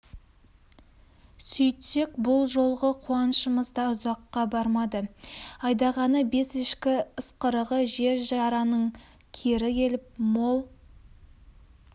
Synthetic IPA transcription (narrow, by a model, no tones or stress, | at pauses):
sʏjt̪se̞kbʊlˠʒo̞lˠʁəqʰuɑnəʃəməzd̪ɑʊzɑqːɑbɑɾmɑd̪əɑjd̪ɑʁɑnəbe̞sɪʃkʲɪəsqəɾəʁəʒe̞ɾʒɑɾɑnəɴ | kʲʰeɾɪkʲʰe̞lɪp̚mo̞lˠ